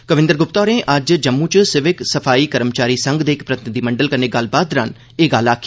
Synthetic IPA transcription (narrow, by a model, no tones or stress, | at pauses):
kəʋɪ̃nd̪əɾɡʊpt̪ɔːɾẽːʔɐd͡ʒd͡ʒəmːũt͡ʃsɪʋɪksəpʰaːiːkəɾəmt͡ʃaːɾiːsə̃ŋɡd̪eːkpɾɐt̪ɪnɪd̪iːməɳɖəlkɐɾneːɡɐlbaːd̪ɾaːn | eːɡaːlaːkʰː